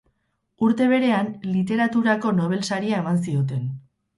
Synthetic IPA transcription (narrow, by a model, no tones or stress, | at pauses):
uɾt̪e̞β̞e̞ɾe̞anlit̪e̞ɾat̪uɾako̞no̞β̞e̞lsaɾiae̞mansio̞t̪̬e̞n